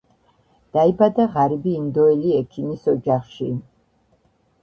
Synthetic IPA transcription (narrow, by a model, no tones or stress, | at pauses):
d̪̥aibad̪aʁaɾibiːnd̪ɔɛliɛkʰinisɔd͡ʒaχʃi